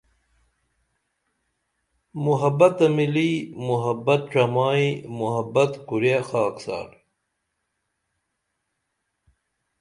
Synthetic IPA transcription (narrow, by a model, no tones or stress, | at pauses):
muɦɐbɐt̪ɐmiliːmuɦɐbɐt̪̚ʈ͡ʂɐmaːimuɦɐbɐt̪kuɾexaːksa̰ːɾ